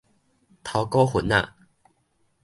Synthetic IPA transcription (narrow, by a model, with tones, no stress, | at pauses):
t̪ʰa˨˧˦kɔ˦xu˨˦na̰˥˨